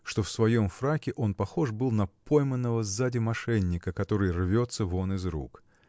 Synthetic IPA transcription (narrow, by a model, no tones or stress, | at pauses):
ʂt̪ofsvɐjo̞mfɾakʲɪʔo̞npɐxo̞ʐbɨlˠnɐpo̞jmənːəvəzadʲɪmɐʂɛnʲːɪkəkɐt̪o̞ɾɨjrvʲo̞t̪səvo̞nɨzɾṵk